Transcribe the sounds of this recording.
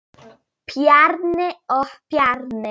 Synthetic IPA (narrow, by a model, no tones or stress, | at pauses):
pʰjarnɛɔħpʰjarnɛ